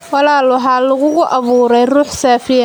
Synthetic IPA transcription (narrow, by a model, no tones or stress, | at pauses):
wɑlaːlʊɦaːlʊɣʊɣʊʔɑβuːɾɛjruːħsaːfɪjɐ